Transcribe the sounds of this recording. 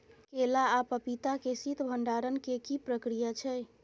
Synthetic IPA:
kelaːpəpit̪akesit̪bʱəɳɖaɾənkekipɾəkɾijat͡ʃʰɛ

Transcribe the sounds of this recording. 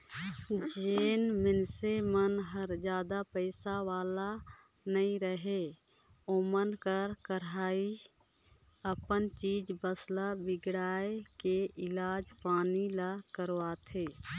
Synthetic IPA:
d͡ʒeːnmɪnsemənɦəɾd͡ʒjaːd̪apəɪsaʋaːla | nəĩɾəɦe | omənkəɾkəɾaːi | əpənt͡ʃiːd͡ʒbəslabɪɡɽaːjkeʔɪlaːd͡ʒpaːnilakəɾʋaːt̪ʰe

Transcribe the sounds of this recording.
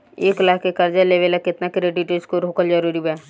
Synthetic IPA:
eːklaːkʰkekɐɾd͡ʒaleːʋelakɪt̪nakɾeʈiʈeskoɾoːkəld͡ʒəɾuːɾibɛː

